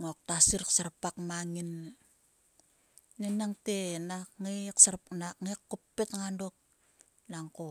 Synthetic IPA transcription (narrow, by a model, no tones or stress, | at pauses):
ŋok̚tasiɾksaɾpakmaŋin | nenaŋtenakŋejksaɾpnakŋekːopːetŋandok̚ | naŋko